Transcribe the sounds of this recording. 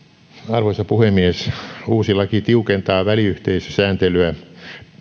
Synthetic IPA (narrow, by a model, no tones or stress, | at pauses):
ɑrʋosɑpuhemːiesuːsilɑkit̪iukent̪ɑːʋæliyht̪eisø̥sæːnt̪elyæ